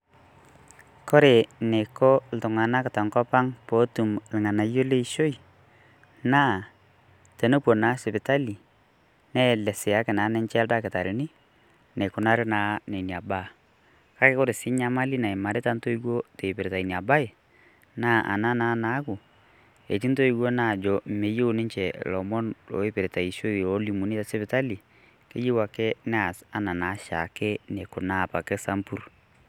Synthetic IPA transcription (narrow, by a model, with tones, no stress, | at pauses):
kɔ˦ɾe˨ne˨kɔ˦l̩˨tʊ˨ŋa˨na˦kɪ˨ta˨ŋkɔ˦pa˦ŋpo˨˦tu˨mlɪ˨ŋa˨na˨jo˦le˦i˦ʃo˦i˨ | na˦˨ | te˨no˦pwo˨na˨˦sɪ˨pɪ˨ta˦li˨ | nɛ˦˨lɛ˨sɪ˨a˦kɪ˨na˨˦nɛ˦ɲt͡ʃɛ˦lta˦kɪ˨ta˨ɾɪ˨ni˦ | ne˨kʊ˨na˦ɾɪ˦naː˨˦ne˨nja˨ba˦˨ | ka˦ke˦ko˦ɾɪ˨sɪ˦ɲa˦ma˦li˦na˨i˨ma˨ɾe˦ta˦nto˦i˦ɡo˦te˨pe˨ɾe˨ta˨i˨ni˨a˨ba˦ɪ˨ | na˦ʔa̰˨na˦na˦na˦ku˨ | e˨t͡ʃi˦nto˦i˨ɡo˦na˦˨d͡ʒɔ˨me˨je˦u˨nɪ˦ɲt͡ʃɛ˨lɔ˨mɔ˦no̰˨˦e˦pɪ˨ɾe˨ta˨i˨ʃo˦˨o˦li˨mu˨ni˦ta˨sɛ˦pɪ˨ta˦li˨ | ke˦ji˦wa˨ke˦nɛ˦a˨sa˦na˨na˨˦ʃa̰˨ke˦ne˨kʊ˨na˦˨pa˨kɛ˦sa˦mpu˦ɾ